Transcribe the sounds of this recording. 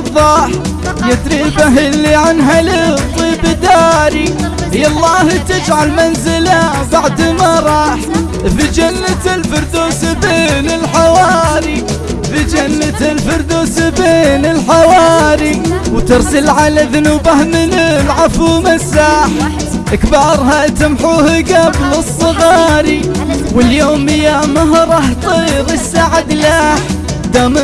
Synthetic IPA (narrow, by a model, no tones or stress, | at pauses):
ðˤːɑːħ | jɪt̪ɾibaɦɪlːiʕanɦalɪt̪ˤːiːbɪd̪aːɾi | hjɑlˤːɑːht̪ɪd͡ʒʕalmanzɪla | baʕd̪maɾˤɑːħ | fid͡ʒanːat̪ɪlfʊɾˤd̪uːsbeːnɪlħawaːɾi | fid͡ʒanːat̪ɪlfʊɾˤd̪uːsbeːnɪlħawaːɾiwt̪ɑɾsɪlʕalaðʊnuːbahmɪnɪlʕafuːmasːaːħ | ʔɪkbɑːɾˤɦat̪ɪmħuːhɡablɨsˤːɨɣɑːɾiwɪljoːmɪjamaɦɾˤɑːħt̪ˤiːɾɪsːaʕad̪laħ | d̪am